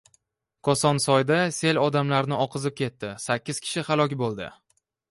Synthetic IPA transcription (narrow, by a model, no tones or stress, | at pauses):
kʰɒsɒnsɒjd̪ase̞lɒd̪amlaɾnɪʔɒqʰɨzɪp̚kʲʰe̞t̪ːɪsakʲːɪz̥kʲʰɪ̥ʃɪhalˠɒkʲbolˠd̪ɪ̰